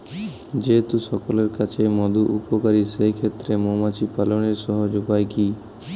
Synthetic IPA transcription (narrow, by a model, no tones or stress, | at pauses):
d͡ʒet̪usɔkoleɾkat͡ɕʰejmɔd̪uʔupokaɾisejkʰet̪ːɾemomat͡ʃipaloneɾsɔɦod͡ʒobajki